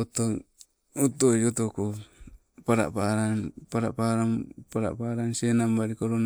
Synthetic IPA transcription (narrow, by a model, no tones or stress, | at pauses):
ot̪o | ut̪od͡ʒot̪oko | paɾa̰ʔpaːɾanpaɾa̰paɾampaɾa̰ʔpaːɾansenambaɾikoɾon